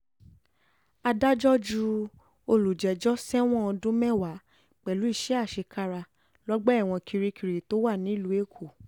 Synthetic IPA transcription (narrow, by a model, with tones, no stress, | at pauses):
a˧da˦d͡ʒɔ˦d͡ʒu˧ | o˧lu˨d͡ʒɛ˨d͡ʒɔ˦sɛ˦w̃ɔ̃˦ɔ˧dũ˦mɛ˦˨wa˨˦ | k͡pɛ˨lu˨˦i˦˨ʃɛ˨˦a˦˨ʃe˧ka˦ɾa˧ | lɔ˦ɡ͡bɛ˦˨w̃ɔ̃˧kʰi˧ɾi˧˦kʰi˨ɾi˨to˦wa˦˨nĩ˨˦lu˨˦e˦˨kʰo˨